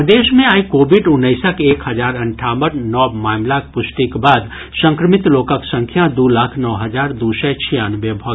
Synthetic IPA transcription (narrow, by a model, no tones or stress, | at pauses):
d̪eːʃmẽaːikoːbɪɖʊnːəɪsəkeːkhɐd͡ʒaːɾɐ̃ɳʈʰaːməʈnɔːmaːmlak̚pʊsʈikbaːd̪ | sə̃ŋkɾəmɪt̪loːkəksə̃ŋkʰjad̪uːlaːkʰnɔːɦəd͡ʒaːɾd̪uːsɛt͡ʃʰijaːnbjebʱɔɡ